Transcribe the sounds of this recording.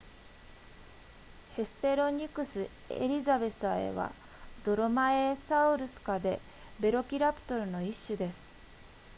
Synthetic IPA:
he̞sɨ̥p̪e̞ɾo̞ɲ̟ikɯ̟sɨ | e̞̰ɾʲizabe̞sae̞̰βa̰ | d̪̥o̞ɾomaesaɯ̟ɾɯ̟sɨ̥kad̪e̞ | be̞ɾo̞kʲiɾapɯ̟̥t̪o̞ɾɯ̟no̞iɕːɨd̪e̞sɨ̥

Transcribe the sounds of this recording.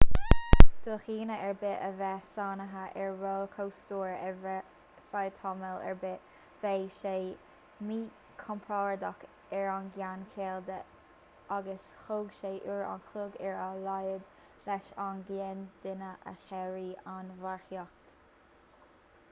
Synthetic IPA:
d̪̥oːxiːnəʔɛɹbɪʔəvɛsɑːnəɦəʔɛɹɹoːlkʰowst̪uːɹɛ | fajt̪ʰɔməlɛ̰ɹbɪ | v̥ejʃeː | miː | kʰɔmpʰɹɔːɹd̪ɔk | ɛɹanɡjankʰeːld̪ə | aɡəs | xoːɡʃeːʔuɹa̰nxʊɡɛɹalajəd̪ | lɛʃanɡɛnd̪̥ɪnəʔə̰xɛɹiːanvaɹxjɔk̚t̪

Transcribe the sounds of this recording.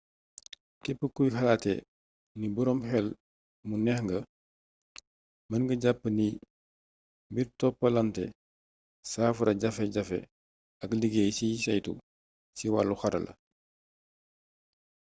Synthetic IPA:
tɛpːəkujxɐlaːtːɛ | nibɔɾɔmxɛl | munɛxŋɡɐ | mɐnɡəɟapːəni | mbiɾtɔpːɐlɐntɛ̰ | saːfuɾɐɟɐfɛɟɐfɛ̰ | ɐkliɡejsisɐjtṵ | siwa̰lːuxɐɾɐ̰lɐ̰

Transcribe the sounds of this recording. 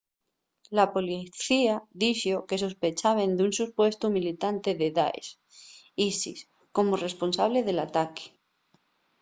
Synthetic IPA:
lapo̞liθiaðiʃoke̞s̬ospe̞t͡ʃaβ̞e̞nd̪unsuspwe̞st̪umilit̪ant̪e̞ðeða̰ḛs | isḭs | ko̞more̞spo̞nsaβ̞leð̞e̞lat̪ake̥

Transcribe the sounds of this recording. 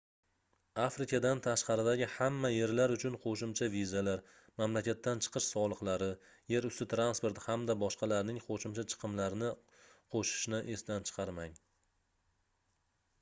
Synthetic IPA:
afɾɪkʲad̪ant̪ʰaʃqɑɾɪd̪aɡʲɪhamːaje̞ɾlaɾʊt͡ʃʰʊnqʰoʃɪmt͡ʃʰavizalaɾ | mamlakʲat̪ːant͡ʃʰɨ̥qʰɨʃsɒlˠɨqlˠaɾɪ | je̞ɾʊst̪ɪt̪ɾanspo̞ɾt̪hamd̪abɒʃqɑlaɾnɪŋqʰoʃɪmt͡ʃʰat͡ʃʰɨ̥qʰɨmlaɾɪnɪ | qʰoʃɪ̥ʃnɪʔesd̪ant͡ʃʰɨ̥qʰɑɾmaŋ

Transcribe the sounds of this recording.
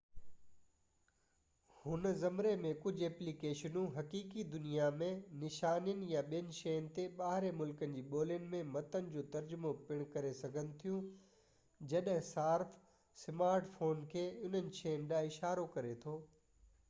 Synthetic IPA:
hʊnzɐmɾemẽkʊd͡ʑʱɛːplikeːʃənũɦɐkiːkid̪ʊnijamẽnɪʃaːnjənɪ̆jãɓijənɪ̆ʃejənɪ̆t̪eɓaːɦɪɾemʊlkənɪ̆d͡ʑiːɓoːlənɪ̆mẽmɐt̪ənɪ̆d͡ʑoːt̪ɐɾd͡ʑʊmopɪɽ̃kɐɾesɐɡʱənɪ̆t̪ʰijũ | d͡ʑɐɗɦɪ̃saːɾf | sɪmaːɾʈfoːnkʰeːʊn̤ənɪ̆ʃejənɪ̆ɗaːɪʃaːɾokɐɾet̪ʰoː

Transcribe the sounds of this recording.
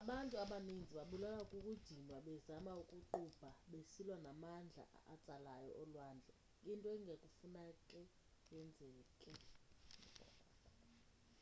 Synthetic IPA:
aɓantʼuaɓanind͡zʱiɓaɓulalakʼukʼud̥ʱinwaɓɛzamaukʼuǃub̥ʱaɓesilwanamand͡ɮʱa̰at͡sʼalajɔ̰ʔɔlwaːnd͡ɮʱɛ | intʼɔɛŋʱekʼufunakʼɛ | jɛnd͡zʱɛkʼɛ | kɔ̰

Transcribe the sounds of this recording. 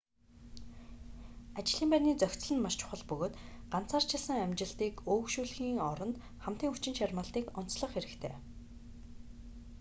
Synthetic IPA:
at͡ɕɪ̆ɮiːmpæniːt͡sœxʲt͡sɮɘ̆nmaʃt͡ɕʰʊ̥χə̆ɮpɵɣoːt̪ɢan̥t͡saːrt͡ɕʰɪ̆ɮsə̆ŋæmʲt͡ɕɪ̆ɮt̪iːkoːkʃuːɮxiːŋɔɾɞ̆nt̪ | χam̥t̪iːŋut͡ɕɪ̆nʃarmaːɮt̪iːkɔn̥t͡sɮɞ̆χxeɾɘ̆kt̪ʰḛː

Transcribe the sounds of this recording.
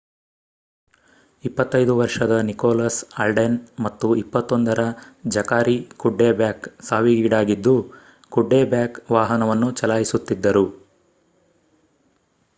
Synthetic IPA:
ipːɐt̪ːɐjd̪uʋɐɾʂɐd̪ɐnikɔːlaːsɐlɖenmɐt̪ːuipːɐt̪ːond̪ɐɾɐd͡ʒɐkaːɾikuɖːeːbjaːksaːʋiɡiːɽaːɡid̪ːu | kuɖːeːbjaːkʋaːɦɐnɐʋɐnːut͡ʃɐlaːjisut̪ːid̪ːɐɾu

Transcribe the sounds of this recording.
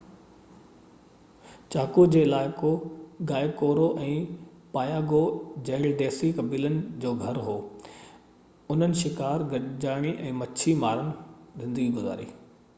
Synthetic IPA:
t͡ɕaːkud͡ʑeːɪlaːɪkoɡaːɪkoːɾoʔɛ̃ː | paːjaːɡod͡ʑeːlɖeːsikɐbiːlənɪ̆d͡ʑoːɡʱɐɾɦoː | ʊn̤ənɪ̆ʃɪkaːɾɡɐd͡ʑaːɽ̃iʔɛ̃ːmɐt͡ɕʰimaːɾənɪ̆zɪ̃nd̪əɡiɡʊza̰ːɾḭː

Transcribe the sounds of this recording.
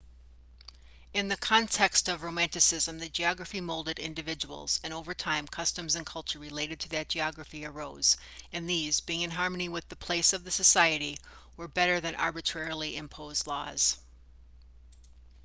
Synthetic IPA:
ɨ̃nðɨkʰɑ̃ntʰɛkstʌvɹoʊmæ̃ntɨsɪzə̃mðɨd͡ʒiɑɡɹəɨfimoʊlˠdɨɾɪ̰̃ndɨvɪd͡ʒəwl̩ˠz̥ɨ̃noʊvə˞tʰãɪ̃mkʰʌstɨ̃mzɨ̃nkʰʌlˠt͡ʃə˞ɹɨleɪɾɨd̚tʰɨðɨt̚d̥ʒ̥iɑɡɹɨfiə˞oʊz̥ | ɨ̃nðizbiɪ̃ŋɨ̃nɦɑɹmɨniwɨðɨpʰl̥eɪsʌvðɨsɨsaɪɨɾi | wə˞bɛɾə˞ðɨ̃nʔɑ̰ɹbɨtʰɹ̥ɛɹl̩ˠiʔɨ̃mpʰoʊzdˡlɔ̰z̥

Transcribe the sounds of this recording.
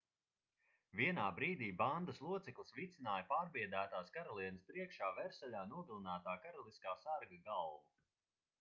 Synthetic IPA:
viɛnaːbɾiːd̪iːband̪əslˠuɔt̪sɛklˠisvit̪sinaːjɐpaːɾbiɛd̪æːt̪aːskaɾɔlˠiɛnəspɾiɛkʃaːvɛɾsɛʎʲaːnuɔɡalˠinæːt̪aːkaɾɔlˠiskaːsaɾɡaɡalˠvu

